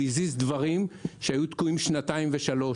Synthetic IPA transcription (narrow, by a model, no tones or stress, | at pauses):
izizd̪vaʁimʃehajut̪kuimʃnataimveʃalo̞